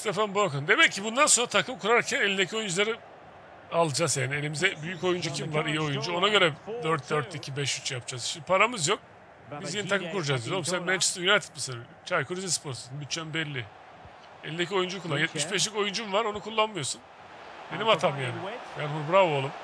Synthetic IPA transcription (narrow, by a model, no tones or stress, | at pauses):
st̪efanboɾkɯnd̪e̞mɛcʰːibund̪anso̞nɾat̪ʰakʰɯmkʰuɾaɾcʰænelʲind̪ecʰio̞jund͡ʒulˠaɾi | alˠd͡ʒazjaːnie̞lʲimizɛbyjyco̞jund͡ʒucʰimvaɾijio̞jund͡ʒuo̞naɟø̞ɾɛd̪øɾt̪̚d̪øɾt̪ʰicʰibɛʃyt͡ʃjapd͡ʒ̥azʃimd̪ipʰaɾamɯzjo̞k̚ | bizjenit̪ʰakɯmkuɾud͡ʒazd̪omsɛmɛnt͡ʃʰsɯjunat̪ʰi̥t̪masɯɾ | t͡ʃʰaɾkʰuɾizʲispʰo̞ɾt̪sunbyt͡ʃʰːænbɛlʲːi | elʲind̪ec̬ʰʲio̞jund͡ʒukuɾlˠanjɛt̪̚miʃbɛʃ̬lʲico̞jund͡ʒumvaɾo̞nukʰulˠːanmɯjo̞sun | benimat̪ʰamjaːnɪbænɦuɾbɾavolˠum